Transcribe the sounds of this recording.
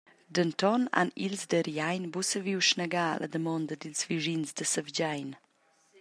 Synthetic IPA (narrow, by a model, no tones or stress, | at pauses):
d̪ənt̪ɔna̰nilzd̪əɾjajnbusəviwʃnəɡa̰lʔə̰d̪əmɔnd̪ɐd̪ilzviʒinzd̪əsəvd͡ʑajn